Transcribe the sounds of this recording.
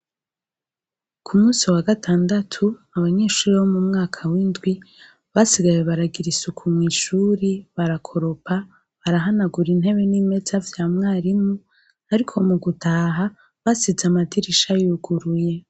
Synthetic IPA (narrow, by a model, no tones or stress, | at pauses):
kʰumuːsiwaɡatʰaːndatʰuaβaɲe̞ːʃuːɾiβomumŋaːkʰawindɡwi | βasiɡajeβaɾaɡiɾisukʰumŋiːʃuːɾiβaɾakʰo̞ɾopʰa | βaɾaɦanaɡuɾin̥he̞βe̞nime̞t͡savjaːmŋaːɾimu | aɾikʰo̞muɡutʰaːɦa | βasizamadiɾiʃajuɡuɾuje̞